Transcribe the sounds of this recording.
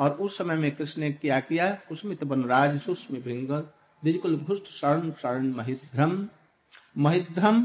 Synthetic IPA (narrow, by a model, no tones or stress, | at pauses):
ɔːɾusəməjmẽkɾɪsnekiakijakusmit̪bənɾaːd͡ʒsusmebʱiŋɡəl | d̪id͡ʒkulbʱusʈʰsaɾənsaɾənmɐɦid̪ɾəm | məɦid̪ɾəm